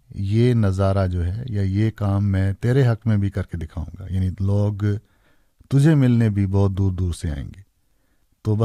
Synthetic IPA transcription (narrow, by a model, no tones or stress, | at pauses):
jeːnɐzaːɾad͡ʒoːɦɛjajekaːmːɛ̃ːt̪eːɾeɦɐkmẽbʱikɐɾked̪ɪkʰaːṵ̃ːŋɡa̰jaːniloːɡ | t̪ʊd͡ʒʱemɪlnebʱibɔːt̪̚d̪uːɾd̪uːɾsea̰ːḛ̃ːŋɡeː | t̪oːbɐ